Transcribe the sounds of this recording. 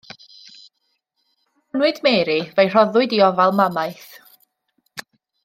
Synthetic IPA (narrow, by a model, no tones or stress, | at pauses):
nwɨdmɛːɾivejr̥ɔðʊɨdiɔvalˠmamaɨθ